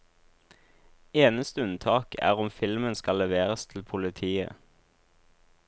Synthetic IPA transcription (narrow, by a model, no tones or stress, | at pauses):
eːnəst̪əʉnt̪ʰɑːkæ̰ːʁɔmfɪlmənskɑlɛʋeːʁəst̪ʰl̩pʰʊlɪt̪ʰiːə̰